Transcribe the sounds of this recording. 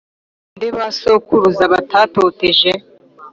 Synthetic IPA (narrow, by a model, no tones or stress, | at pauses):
ndeβasokuɾuzaβatʰaːtoteʒe